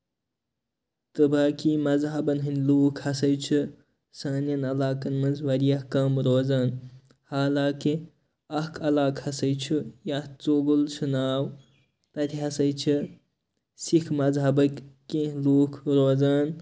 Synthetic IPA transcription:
t̪ɨbaːkimɐzɦɐbɐnɦɨnʲluːkʰhɐsɐjt͡ʃʰɨ | saːnjɐnɐlaːkɐnmɐnzʋɐɾijɐhkɐmɾoːzaːn | haːlaːke | ɐhkʰɐlaːkʰhɐsɐjt͡ʃʰujaht͡soɡult͡ʃʰunaːw | t̪ɐt̪ʲʰiɦɐsɐjt͡ʃʰi | sikʰmɐzɦɐbɐkkẽluːkʰɾoːzaːn

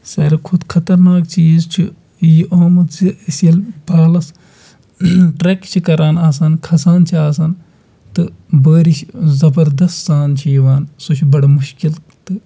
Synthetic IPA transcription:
sɐːɾɐkʰʊd̪kʰɐt̪ɐɾnaːkt͡ʃiːzt͡ʃʰi | jiʔoːmɐt̪zisjɐlbaːlɐs | ʈɾekt͡ʃʰikɐɾaːnaːs̬aːnkʰɐsaːnt͡ʃʰiaːs̬ɐːn | t̪ɨbəːɾiʃzɐbɐɾd̪ɐst̪zaːnt͡ʃʰijiʋaːnsot͡ʃʰibɐɽɐmʊʃkil | t̪ɨ

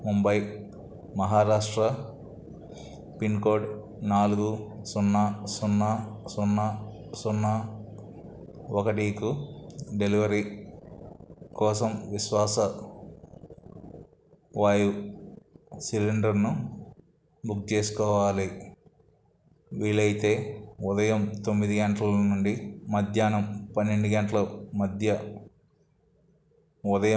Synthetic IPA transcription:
mumbɐj | mɐɦaːɾaːʂʈɾɐ | pinkoːɖ | naːluɡusunːɐsunːɐsunːɐ | sunːɐ | ɔkɐʈikuɖeliʋɐɾi | kɔːsɐmʋiʃʋaːsɐ | ʋaːju | siliɳɖɐɾnu | buk̚t͡ʃeːsu̥kɔːʋaːli | ʋiːlɐjt̪e̞ːud̪ɐjɐmt̪omːid̪iɡeɳʈlɐlɐnuɳɖimɐd̪ʱjaːnɐmpɐnːe̞ɳɖuɡɐɳʈlɐmɐd̪ʱjɐ | ud̪ɐjɐ

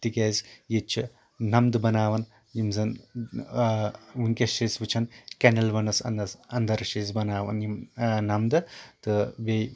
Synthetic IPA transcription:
t̪ikʲezjet͡ʃʰi | nɐmd̪ɨbɐnaːʋɐn | jimzɐn | ʋuŋkʲeʃesbɨt͡ʃʰɐnkʲɐnɐlbɐnɐsɐ̰nɐsɐnd̪ɐɾʃeːzbɐnaːʋɐ̰njimnɐmd̪ɨt̪ɨbej

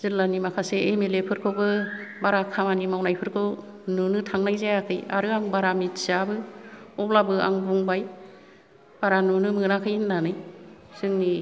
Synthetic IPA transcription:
z̥ɯlanimakʰaseemelepʰɯɾkʰobɯbaɾakʰamanimawnajpʰɯɾkʰɯw | nunɯtʰaŋnajzajakʰɯja̰ɾɯaŋbaɾamitsabɯɔplabɯa̰ŋbuŋbaj | b̥aɾanunɯmɯnakʰɯjnːanɯj | sɯŋni

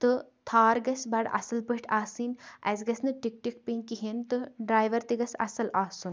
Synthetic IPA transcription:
t̪ɨt̪ʰaːɾɡɐsbɐɽɐ̰sɐlpəʈʰʲaːsiːnʔɐ̰zɡɐsnɨʈik̚ʈik̚pinkiɦint̪ɨɖɾaːjʋɐɾt̪iɡɐsɐ̰sɐlaːsun

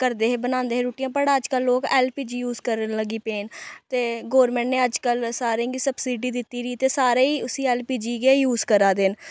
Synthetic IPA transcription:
kəɾd̪eːɦeːbənãːnd̪eːɦeːɾoːʈɪjãːpəɽəd͡ʒkəlːoːkɛːlpiːd͡ʒiːjuːzkəɾənləɡiːpeːnt̪eːɡoːɾmɛ̃ːɳʈneːəd͡ʒkəlsaːɾẽɡiːsəbsiːɖiːd̪ɪt̪ːiːɾiːt̪eːsaːɾeːiːʊsiːɛːlpiːd͡ʒiːɡeːjuːzkəɾaːd̪en

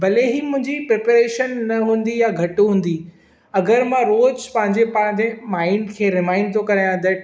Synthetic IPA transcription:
bɐleɦimʊ̃ɦɪ̃ɲd͡ʑipɾeːpeɾeːʃənːɐɦũːn̆d̪ijaɡʱɐʈuɦũːn̆d̪i | ɐɡəɾmãɾoːd͡ʑpɐ̃ɦɪ̃ɲd͡ʑepɐ̃ɦɪ̃ɲd͡ʑemaːɪɳɖkʰeːɾɪmãːɪ̃ɳɖt̪ʰokɐɾajãd̪ɐʈ

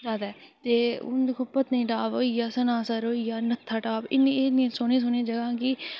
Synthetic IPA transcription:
zaːd̪a | t̪eːʊ̰nd̪ɪkʰõːpət̪nĩːʈaːʋoijaːsɐnaːsaːɾoːijaːnət̪ʰːaːʈaːbɪnːieːnĩsoːnẽːs̬oːnẽːd͡ʒəɡãːkiː

